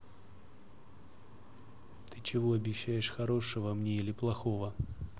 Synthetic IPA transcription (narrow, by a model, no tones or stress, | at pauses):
t̪ɨt͡ɕɪvoɐbʲɪɕːæjɪʂxɐɾo̞ʂəvəmnʲeilʲɪplˠɐxo̞və